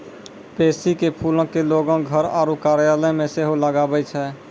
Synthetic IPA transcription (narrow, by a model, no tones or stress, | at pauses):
pesikepʰulə̃keloɡə̃ɡʱəɾa̰ɾukaɾjaləjmẽseɦoləɡabɛt͡ʃʰɛ